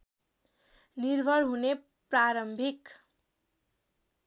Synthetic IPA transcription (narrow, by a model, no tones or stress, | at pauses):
nirbʱʌɽɦune | praɾʌmbʱik